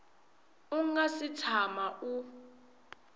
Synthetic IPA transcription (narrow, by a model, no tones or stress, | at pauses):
uŋasitʰamaʔu